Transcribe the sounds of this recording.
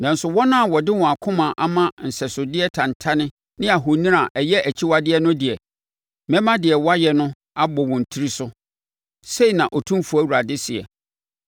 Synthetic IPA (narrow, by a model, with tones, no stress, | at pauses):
nã˨n̩˨sʊ˨wɔ˦nã˦˨wɔ˨dɪ˦wɔ̃˨a˨kʰʊ̃˦mã˨ʔa˦mã˦n̩˨sɛ˨sʊ˨dɪ˦ɛ˦tʰã˨n˨tʰa˦nɪ̃˦ | nɪ̃˦a˨ɦo˨nĩ˦ɾa˨ʔɛ˨jɛ˦ʔæ˨t͡ɕʰi˦wa˦dɪ˦ɛ˦nʊ̃˦dɪ˨ɛ˨ | mɛ̃˦mã˦dɪ˨ɛ˨wa˦jɛ˨nʊ̃˦ | a˦bɔ˨wɔ̃˨n̩˨tʰi˦ɾi˦sʊ˦ | se˦i˨nã˨ʔɔ˨tʰũ˦mfu˨æ˦wu˨ɾa˨dɪ˦sɪ˨ɛ̰˨